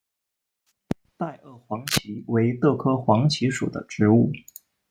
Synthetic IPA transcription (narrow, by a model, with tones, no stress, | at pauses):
t̪a˥˧ɪʔə˥˩xwɑ˧˥ŋt͡ɕʰi˧˥we˧˥ɪt̪ɤ˥˩kʰɤ˥xwɑ˧˥ŋt͡ɕʰi˧˥ʂṵ˨˩d̪ə̰˦ʈ͡ʂɻ̩˧˥u˥˩